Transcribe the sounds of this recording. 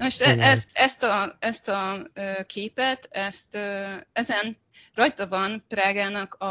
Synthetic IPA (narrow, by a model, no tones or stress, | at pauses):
nmoʃt̪ɛʔɛst̪ɛst̪ɒɛst̪ɒøːkʰeːpɛt̪ɛst̪øɛzɛn | rɒjt̪ɒvɒnpraːɡaːnɒkɒ